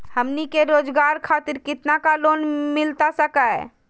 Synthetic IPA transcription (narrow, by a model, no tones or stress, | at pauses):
həmnikeɾoːd͡ʒɡaːɾkʰaːt̪ɪɾkɪt̪nakaloːnmɪlt̪asəkaɦɛ̰ː